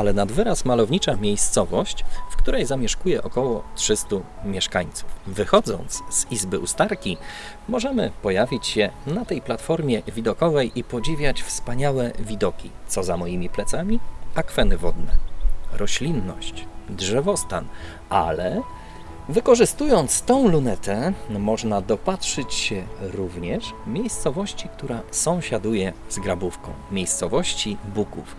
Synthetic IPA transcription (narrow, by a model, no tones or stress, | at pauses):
alɛnad̪vɘɾasmalɔvɲit͡ʂamʲjejst̪sɔvɔɕt͡ɕfkt̪uɾɛjzamʲjɛʂkujɛʔɔkɔwɔtʂɘst̪umʲjɛʂkaɲt̪su̥fvɘxɔd̪zɔ̰nt̪sz̥izbɘʔust̪aɾkʲi | mɔʐɛmɘ̰pɔjavʲit͡ɕɕɛnat̪ɛjplat̪fɔɾmʲjɛvʲid̪ɔkɔvɛjʔipɔd͡ʑivʲjat͡ɕfspaɲawɛvʲid̪ɔkʲit̪sɔzamɔjimʲiplɛt̪samʲiakfɛnɘvɔd̪nɛɾɔɕlʲinːɔɕt͡ɕdʐɛvɔst̪an | a̰lɛ | vɘkɔʐɘst̪ujɔnt̪st̪ɔ̃w̃lunɛt̪ɛmɔʐnad̪ɔpatʂɘt͡ɕɕɛɾuvɲɛʂmʲjejst̪sɔvɔɕt͡ɕik̚t̪uɾasɔ̃w̃ɕad̪ujɛzɡɾabufkɔ̰̃w̃mʲjejst̪sɔvɔɕt͡ɕibukuf